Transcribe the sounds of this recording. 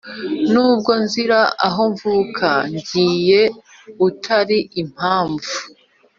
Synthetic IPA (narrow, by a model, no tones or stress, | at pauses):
nuːb̚ɡo̞nziɾaʔaɦo̞ɱvuːkʰaɲɟiːje̞ | utʰaɾiʔim̥haːɱvu